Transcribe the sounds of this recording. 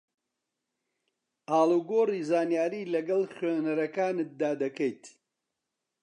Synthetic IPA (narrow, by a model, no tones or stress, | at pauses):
ʔaːluːɡoːriːzaːnjaːɾiːlɐɡɐlxeːnɐɾɐkaːnɨt̪̚d̪aːd̪ɐkɐjt̪